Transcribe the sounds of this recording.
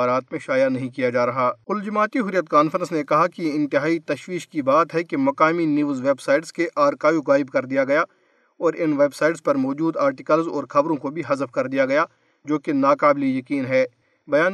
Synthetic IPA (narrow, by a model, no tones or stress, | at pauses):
aːɾaːt̪mẽʃaːjanɐɦĩkijad͡ʒaːɾɐɦaːkʊld͡ʒɐmaːt̪iɦʊɾijət̪kaːnfəɾə̃nsnekɐɦakiɪ̃nt̪ɪɦaːit̪ɐʃwiːʃkibaːt̪ɦɛkemɐkaːminjuːzʋeːbsaːɪʈskeʔaːɾkaːjuɣaːɪbkɐɾd̪ijaɡɐja | ɔːɾɪnʋeːbsaːɪʈzpɐɾmɔːd͡ʒuːd̪aːɾʈɪkəlzɔ̰ːɾxɐbɾõkobʱiɦɐzəfkɐɾd̪ijaɡɐja | d͡ʒoːkenaːkaːblijɐkiːnɦɛː | bɐjaːn